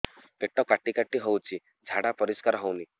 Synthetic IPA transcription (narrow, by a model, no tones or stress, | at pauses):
peʈɔkaʈikaʈiɦowt͡ʃʰi | d͡ʒʱaɽapɔɾiskaɾɦowni